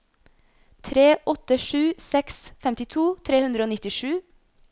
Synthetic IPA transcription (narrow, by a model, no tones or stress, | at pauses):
t̪ʰɾeːʔɔt̪əʂʉːsɛksfɛmt̪ɪt̪ʰuːt̪ʰɾeːhʉnd̪ɾəoːnɪt̪ɪʂʉː